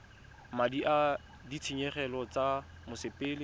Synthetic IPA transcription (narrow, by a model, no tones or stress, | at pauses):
madiʔa | dit͡sʰiɲɛχɛlɔt͡samʊsɪpʼɪːlɪ